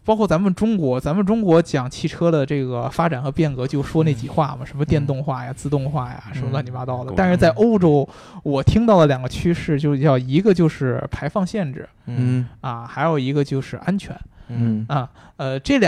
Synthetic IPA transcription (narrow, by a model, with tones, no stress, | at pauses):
pɑ˥ʊkʰwɔ˥˩t͡sa˧˥nmə˨nʈ͡ʂʊ˥ŋkwɔ˧˥t͡sa˧˥mə˨nʈ͡ʂʊ˥ŋkwɔ˧˥t͡ɕjɑ˨˩ŋt͡ɕʰi˥˩ʈ͡ʂʰɤ˥d̪ə˨ʈ͡ʂɤ˥˩ɡə˩fa˥ʈ͡ʂa˨˩nxɤ˧˥pjɛ˥˩nkɤ˧˥t͡ɕjo˥˧ʊʂwɔ˥ne˥˩t͡ɕi˨˩xwa˥˩mɐ˩ʂə˧˥mə˧t̪jɛ˥˧nt̪ʊ˥˧ŋxwa˥˩ja˩t͡sɹ̩˥˧t̪ʊ˥˧ŋxwa˥˩ja̰˨˩ʂə˧˥nmə˧d̪ni˨˩ma˧˥t̪ɑ˥˩d̪ə˩t̪a˥˧nʂɻ̩˥˧t͡sa˥˩ɪʔo˥ʊʈ͡ʂo˥ʊ | wɔ˨˩t̪ʰi˥ŋt̪ɑ˥˩ʊlə˩ljɑ˨˩ŋɡə˦t͡ɕʰy˥ʂɻ̩˥˩t͡ɕjo˥˧ʊʂ̩˧˩t͡ɕjɑ˥˩ʊi˧˥ɡə˧t͡ɕjo˥˧ʊʂɻ̩˥˩pʰa˧˥ɪfɑ˥˧ŋɕjɛ˥˧nʈ͡ʂɻ̩˥˩ | ɐ˥˧xa˧˥ɪjo˨˩ʊi˧˥ɡə˧t͡ɕjo˥˧ʊʂɻ̩˥˩ʔa˥nt͡ɕʰɥɛ̰˧˥nə˥˧ə˧ʈ͡ʂɤ˥˩l